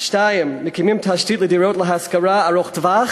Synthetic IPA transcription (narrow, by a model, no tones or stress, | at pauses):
ʃtajəmnɪkʰɪmɪmtʰaʃtiːtlˠədiɹoʊtləɦaskəɹaːɹɔxdva